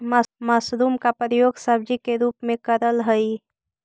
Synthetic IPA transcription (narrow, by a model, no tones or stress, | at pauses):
masɾuːmkapəɾəjoːɡsəbd͡ʒikeɾuːpmẽkəɾəlɦəi